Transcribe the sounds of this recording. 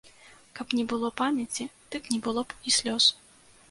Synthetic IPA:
kapnʲɛbɨlˠɔpamʲɛt͡sʲid̪̥ɨknʲɛbɨlˠɔisʲlʲɔs

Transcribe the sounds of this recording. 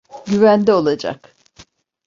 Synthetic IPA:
ɟyvænd̪ɛo̞lˠad͡ʒa̰k

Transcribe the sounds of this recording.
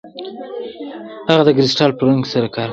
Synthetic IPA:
haɣad̪əɡɾɪsʈɑlpəɾaŋɡsaɾakɑɾ

